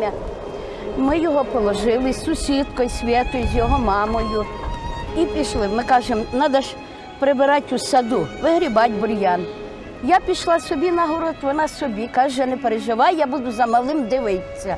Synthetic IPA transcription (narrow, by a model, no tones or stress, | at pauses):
ɐ | mɪjɔɦɔpɔlˠɔʒɪlˠɪssʊsʲit̪kɔjsʲʋʲɛt̪ʊzʲjɔɦɔmɑmɔjʊ | ipʲiʃlˠɪmɪkɑʒemnɑd̪ɐʒ | pɾebɪɾɑtʲʊsɐd̪uʋɪɦɾʲibɑtʲbɔɾʲjɑn | japʲiʃlˠɑsɔbʲinɐɦɔɾɔt̪ʋɔnɑsɔbʲikɑʒjanɛpeɾeʒɪʋɑjjabud̪ʊzɐmɐlˠɪmd̪ɪʋɪt͡sʲːɐ